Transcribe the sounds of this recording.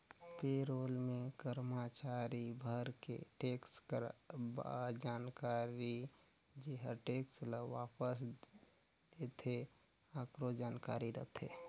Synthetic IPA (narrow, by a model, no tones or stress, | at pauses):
peːɾoːlmẽkəɾmat͡ʃaːɾibʱəɾkḛʈeːkskəɾba̰d͡ʒaːnkaːɾi | d͡ʒeɦəʈeːksləʋaːpəs | d̪eːt̪ʰe | aːkɾod͡ʒaːnka̰ːɾiɾət̪ʰḛː